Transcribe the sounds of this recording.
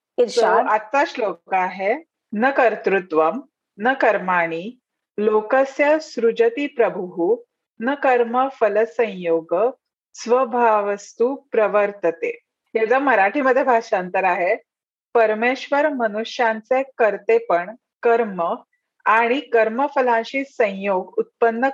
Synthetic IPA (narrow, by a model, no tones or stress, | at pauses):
iɕoat̪ːaslokaɦe | nəkəɾt̪ɾut̪ʋəm | nəkəɾmaɽ̃i | lokəsjəsɾud͡ʑət̪ipɾəbʱuɦu | nəkəɾməfələsə̃j̃joɡə | sʋəbʱaʋəst̪upɾəʋəɾt̪ət̪ḛ | ɦjad͡zaməɾaʈʰiməd̪ʱːjebʱaʂant̪əɾaɦe | pəɾmeɕʋəɾmənuʂjãnt͡sekəɾt̪epəɳ | kəɾmə | aɽ̃ikəɾməfəlãɕiːsə̃j̃joɡut̪̚pənːə